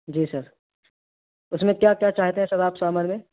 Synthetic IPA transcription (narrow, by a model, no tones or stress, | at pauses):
d͡ʒiːsɐɾ | ʊsmẽkjaːkjaːt͡ʃaːɦt̪eɦɛ̃sɐbaːpsaːmaːnmẽ